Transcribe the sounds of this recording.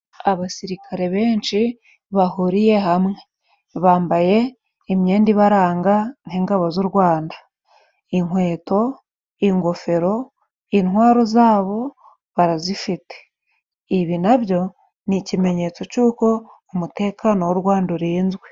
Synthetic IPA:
aβasiɾikʰaɾe̞βe̞ːnt͡ʃi | βahuɾije̞ɦamŋe̞ | βaːmbaje̞ | imɲe̞ːndiβaɾaːŋɡanhiŋɡaβozuɾɡwaːndḁ | iŋwe̞ːto̞ | iŋɡo̞fe̞ɾo̞ | inwaːɾo̞zaːβo̞ | βaɾazifite̥ | iβinaβjo̞ | nicime̞ɲe̞t͡so̞cuːko̞ː | mute̞kʰanowoɾɡwaːnduɾiːnzwe

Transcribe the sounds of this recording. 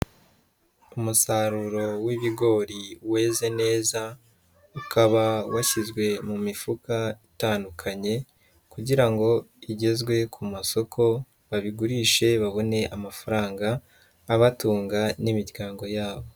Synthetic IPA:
umusaɾuɾo̞wiβiɡo̞ɾiwe̞ːze̞ne̞ːza | ukʰaβawaçizɡwe̞mumifukaitaːndukʰaɲe̞ | kuɟiɾaŋɡo̞iɟe̞zɡwe̞kʰumaso̞kʰo̞ | βaβiɡuɾiːʃe̞βaβo̞ne̞ʔamafaɾaːŋɡaː | βatuːŋɡanimiɾɡaːŋɡo̞jaːβo̞

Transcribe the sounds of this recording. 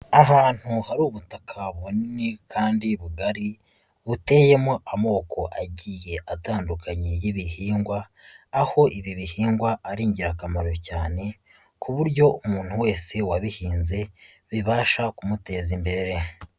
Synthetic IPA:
aɦaːn̥huhaɾuːβutakʰaβoninikʰaːndiβuɡaɾi | βute̞je̞moʔamo̞ːko̞ʔaɟiːje̞ʔataːndukaɲejiβihiːŋɡwaː | ho̞ʔiβiβihiːŋɡwaʔːɾiːɲɟiɾakamaɾo̞caːne̞ | kʰuβuɾɟo̞umuːn̥huwe̞ːse̞waβihiːnze̞ | βiβaːʃakumute̞ːzimbe̞ɾe̞

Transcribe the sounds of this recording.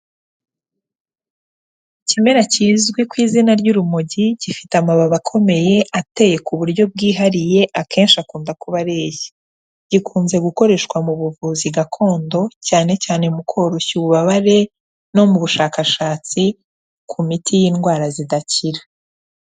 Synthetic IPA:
cime̞ɾaciːzɡwekwiːzinaɾɟuɾumuɟiɟifitamaβaβakʰo̞me̞je̞ʔate̞je̞kuβuɾɟo̞b̚ɡiːɦaɾije̞ʔakʰeːnʃiakuːndakuβaɾe̞ːje | ɟ̥ikʰuːnze̞ɡuko̞ɾe̞ːʃkwamuβuvuːziɡakʰo̞ːndo̞caːne̞caːne̞mukʰo̞ɾoçuβuβaβaɾe̞ | no̞muβuʃaːkaʃaːt͡si | kʰumitʰijiːnɡwaːɾazidaciɾḁ

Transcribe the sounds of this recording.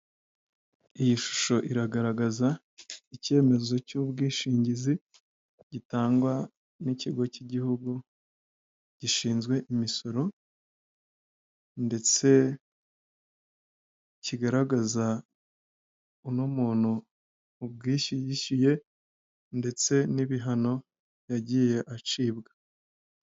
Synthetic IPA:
ijiʃu̥ʃo̞ʔiɾaɡaɾaɡaza | ice̞ːme̞zo̞cubɡiːʃiːɲɟizi | ɟitaːŋɡwa | niciɡo̞ciɟihuɡu | ɟ̥iʃiːnzɡwe̞ʔimiso̞ɾo̞ | nde̞t͡se̞ | ciɡaɾaɡaza | unumuːn̥uː | b̚ɡiːʃijiʃije̞ | nde̞t͡se̞niβiɦano̞ | jaɟije̞ʔat͡ʃiːbɡḁ

